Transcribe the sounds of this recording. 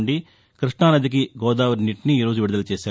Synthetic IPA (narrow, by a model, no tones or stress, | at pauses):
ɳɖi | kɾiʂʈɳaːnɐd̪ik̬iɡɔːd̪aːʋɐɾniʈniːɾoːd͡ʒuʋiɽud̪ɐlɐt͡ʃeːʃaː